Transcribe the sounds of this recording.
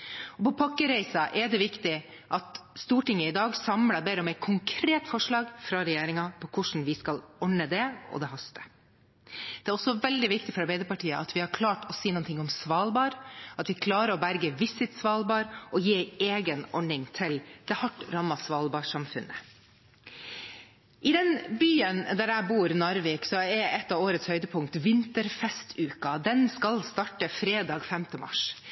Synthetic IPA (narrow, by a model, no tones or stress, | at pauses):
ɔpʰɔpʰɑkːəɾæɪsɑʔɛɖ̪ɛʋɪkt̪ɪ | ʔɑt̪st̪uːʈɪŋːəɪd̪ɑːɡsɑmlɑbeːɾɔmɛɪt̪kʰʊŋkʰɾeːt̪fɔʂɭɑːɡfɾɑɾɛjeːɾɪŋɑpʰɔkʰʊʂn̩ʋɪskɑlɔɳəd̪ɛɔ̰d̪ɛɦɑst̪ə̥ | d̪̥ɛæːɾɔsɔʋɛld̪ɪʋɪkt̪ɪfɔɾɑɾbɛɪd̪əpɑʈʰiːəʔɑt̪ʋɪhɑɾkʰlɑːʈɔsiːnʊːnt̪ʰɪŋːɔmsʋɑːlbɑːɾɑt̪ʋɪkʰlɑːɾəɾɔbæɾɡəʋɪsɪt̪sʋɑːlbɑːɾʔɔjiːeːɡənɔɳɪŋt̪ʰɪld̪̥ɛhɑʈːɾɑmːɑsʋɑːlbɑːʂɑmfʉ̰nːə̰ | ʔɪd̪ɛnbyːənd̪æɾæɪbuːɾnɑɾʋɪːksɔɛɾɛt̪ːɑʋoːɾət̪shœʏd̪əpʰʊŋk̚t̪ʋɪnt̪əɾfɛst̪ʰʉːkɑd̪ɛnskɑlst̪ɑʈəfɾeːd̪ɑːɡfɛmt̪əmɑ̰ʂ